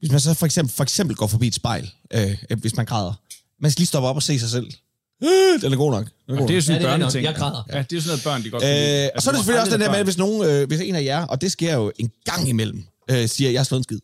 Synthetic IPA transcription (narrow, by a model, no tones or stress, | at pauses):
ʋe̝smæns̬ɒ̽fɒ̽eɡsem̰bl̩fɒ̽eɡ̥semb̥l̩ɡ̥ɒ̰ːfɒ̽b̥ḭːed̥sb̥ɑ̈ɪ̰lʔøʋe̝smænɡ̥ʰʁɑːð̞ˠɐ | mænsɡ̥liːsd̥ɒ̽b̥ɐɒ̽b̥ɒse̝̰ːs̬ɑ̈ɪsel̰ | d̥enæɐɡo̝̰ːnɒ̽ɡ̥dejosɔndeɡʰʁɑðˠɐjææd̥e̝josɔnɔːð̩ˠb̥ɶɐ̰nd̥iɡ̥ɒøɒsɒɐɾ̥eseføliɒsd̥end̥æɐmeʋe̝s̬no̝ːn̩øʋe̝se̝ːnæjæɐʔɒ̽d̥e̝sɡ̥e̝ɐ̰jo̝e̝nɡ̥ɑ̈ŋ̰imel̰m̩ | øsiːɐjɑhɑslɔ̽ːðˠnsɡið̰ˠ